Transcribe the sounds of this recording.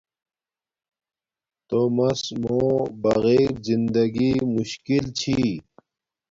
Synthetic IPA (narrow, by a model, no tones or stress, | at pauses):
t̪omɐsmõːbɐɣeːɾzind̪ɐɡimuɕkilt͡ɕʰi